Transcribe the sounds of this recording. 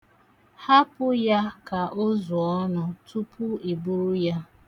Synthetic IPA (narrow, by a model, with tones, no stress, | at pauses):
ha˦pʊ˦ja˦ka˨ʔo˦zʊ˨ɔ˦nʊ˨tʰu˦pʰʊ˦i˨bu˦ɾu˦ja˦